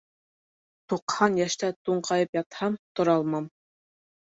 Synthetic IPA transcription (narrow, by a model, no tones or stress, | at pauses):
t̪uqhɑnjæʃt̪æt̪uɴqʰɑjɤpjɑt̪hɑmt̪ŏɾɑlˠmɑm